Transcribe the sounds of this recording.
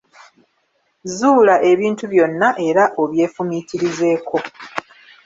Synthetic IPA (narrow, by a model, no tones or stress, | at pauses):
zuːlaʔe̞βiːntuβjo̞nːaʔe̞ɾaʔo̞βje̞ːfumitiɾize̞ːkʰo̞